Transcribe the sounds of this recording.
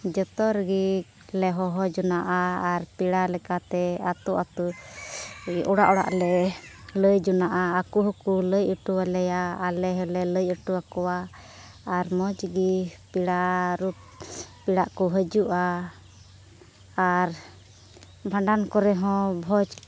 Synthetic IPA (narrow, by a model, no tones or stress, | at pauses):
d͡ʒɔt̪ɔɾɡik | lɛɦɔɦɔd͡ʒɔnaʔaaɾpiɽalɛkat̪ɛat̪uʔat̪u | ʔɔɽaʔɔɽa̰ʔlɛləjd͡ʒɔnaʔaakuɦɔkuləjəʈuwalɛjaːlɛɦɔlɛləjəʈuwakɔwaː | ɾmɔd͡ʒɡipiɽaɾup̚ | piɽaʔkɔɦəd͡ʒuʔa | ɾ | bʱaɳɖankɔɾɛɦɔ̃bʱɔt͡ʃ